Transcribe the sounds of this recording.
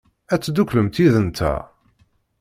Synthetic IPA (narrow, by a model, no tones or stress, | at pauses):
æt͡sːd̪ukləmt̪iðənt̪ʰæ̰